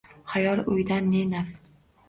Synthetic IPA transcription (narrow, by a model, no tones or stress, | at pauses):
hajɒɾʊjd̪anːenaf